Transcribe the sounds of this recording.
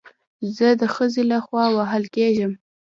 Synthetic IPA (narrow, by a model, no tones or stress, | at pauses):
zəd̪əxəzelaxwɑwaɦəlkeʒəm